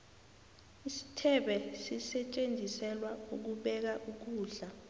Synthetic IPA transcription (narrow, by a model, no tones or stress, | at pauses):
isi̥tʰɛɓɛsisɛt͡ʃʼend͡zʱisɛlwauk̬uɓɛk̬aʔuk̬uːɮa